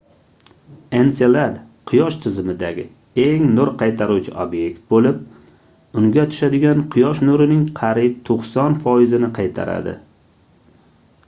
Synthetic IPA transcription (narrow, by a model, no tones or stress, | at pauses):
enselad̪ | qʰʊjɒʃt̪ʰɪzɪmɪd̪aɡʲɪ | e̞ŋnʊɾqʰɑjt̪ʰaɾuwt͡ʃʰɪobje̞kt̪̚bolɪp | ʊŋɡʲat̪ʰʊ̥ʃad̪ɪɡʲanqʰʊjɒʃnʊɾɪnɪŋqʰɑɾib̚t̪ʰoqsɒnfɒjɪzɪnɪqʰɑjt̪ʰa̰ɾa̰d̪ɪ̰